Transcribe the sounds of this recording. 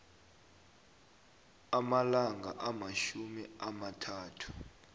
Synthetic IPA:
amalaŋɡʱa̰ʔamaʃumiamatʰaːtʰu̥

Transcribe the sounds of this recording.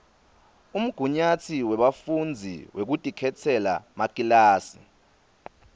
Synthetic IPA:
um̩ɡ̥ʱuɲat͡sʰiwɛɓafund͡zʱḭwʔek̬utʼikʰɛtʰɛla̰makʼilaːsḭ

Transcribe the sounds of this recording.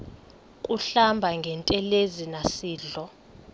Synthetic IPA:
kʼuɬambʱaŋɡʱɛntʼɛlezinasiːɮɔ

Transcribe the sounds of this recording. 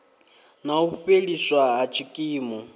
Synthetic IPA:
nauɸeɺiswaɦat͡ʃʰikʼiːmɔ

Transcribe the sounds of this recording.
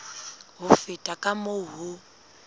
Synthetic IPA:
ɦʊfɪtʼakʼamoɦʊ

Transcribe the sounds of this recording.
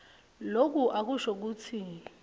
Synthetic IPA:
lok̬uʔak̬uʃɔk̬uːt͡sʰi

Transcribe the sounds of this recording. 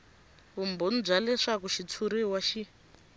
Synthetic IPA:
umbon̩d͡zʷalɛʂakuʃit͡sʰuɾiwaʃi

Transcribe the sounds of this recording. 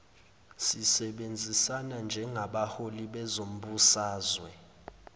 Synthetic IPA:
sisɛɓend͡zʱisanand͡ʒʱɛŋaɓaholiɓɛzom̩ɓusaːzwɛ

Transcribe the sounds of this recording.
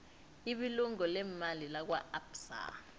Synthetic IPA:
iɓiluŋɔlɛmalilak̬waapsa̰

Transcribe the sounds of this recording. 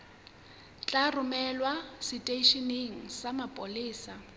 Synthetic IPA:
t͡ɬʼarʊmɛlwasɪtʼeʃiniŋ̩samapʼʊlɪːsa

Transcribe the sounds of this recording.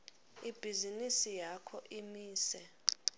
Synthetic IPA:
ib̥ʱizinisijakʰɔʔimiːsɛ

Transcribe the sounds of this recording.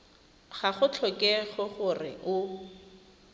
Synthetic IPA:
χaχʊt͡ɬʰɔkɛχɔχʊrɪ̰ʔʊ

